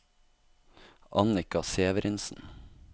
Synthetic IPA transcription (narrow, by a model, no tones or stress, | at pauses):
ʔɑnɪkɑseːʋəɾɪnsn̩